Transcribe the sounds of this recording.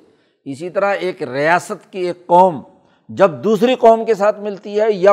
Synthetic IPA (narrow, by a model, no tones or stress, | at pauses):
ɪsit̪ɐɾaeːkɾɪjaːsət̪kieːkːɔːm | d͡ʒɐb̚d̪uːsɾiqɔːmkesaːt̪ʰmɪlt̪iɦɛja